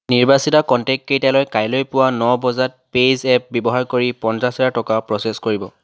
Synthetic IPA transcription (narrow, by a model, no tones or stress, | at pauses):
niɹbasitakɔntɛk̚kejtalɔjkajlojpʊwanɔbɔzat̚pezɛp̚bɔbɔɦaɹkoɹipɔnsasɛtatɔkapɹɔseskoɹibɔ